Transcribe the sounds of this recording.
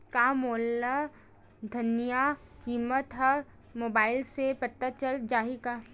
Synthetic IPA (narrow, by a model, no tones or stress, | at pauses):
kamoːlːa | d̪ʱɐnijakiːmət̪ɦɐ | moːbaːɪlsepət̪ːət͡ʃəld͡ʒaːɦikaː